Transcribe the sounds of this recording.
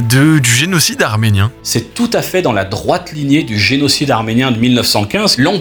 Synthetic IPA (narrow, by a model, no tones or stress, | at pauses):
d̪əd̪yʒenɔsid̪aʁmenjɛ̃sɛt̪ut̪afɛd̪ɑ̃lad̪ʁwat̪linjed̪yʒenɔsid̪aʁmenjɛ̃d̪əmilnœfsɑ̃kʲɛ̃zlɑ̃